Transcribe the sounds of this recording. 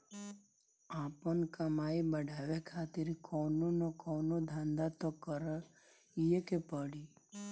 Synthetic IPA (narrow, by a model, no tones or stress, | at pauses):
aːpənkəmaːibəɖʱaːʋekʰaːt̪ɪɾkɔːnonɔkɔːnod̪ʱãnd̪at̪okəɾə | ijekepəɽi